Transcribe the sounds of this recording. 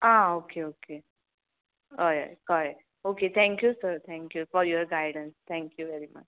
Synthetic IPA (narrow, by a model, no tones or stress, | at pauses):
ãokeoke | oja̰jkʌɾɛk | oket̪ʰɛ̃ŋkjusəɾt̪ʰɛ̃ŋkjufɔɾjɔɾɡaɪɖə̃nst̪ʰɛ̃ŋkjuʋɛɾimɐ̰t͡ʃ